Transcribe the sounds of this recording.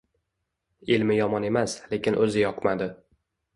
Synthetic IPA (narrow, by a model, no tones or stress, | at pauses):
ɪlmɪjɒmɒne̞masle̞kʲʰɪnʔɵzɪjɒqʰmad̪ɪ